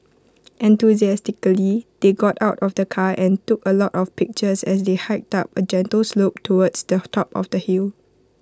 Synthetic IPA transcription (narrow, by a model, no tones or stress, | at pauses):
ʔɛ̃ntuziɛstɪkəlid̥eɡɔtaʊtɔfdəkʰaʔɛ̃ntukəlɔtɔfpɪk̚t͡ʃəsɛsdehaɪk̚tap̚əd͡ʒɛ̃ntəlslop̚tʰowədsdətʰɔpɔ̰fdəhil